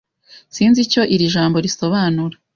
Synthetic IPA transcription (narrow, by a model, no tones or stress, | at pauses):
siːnzico̞ʔiɾiʒaːmbo̞ɾiso̞βaːnuɾa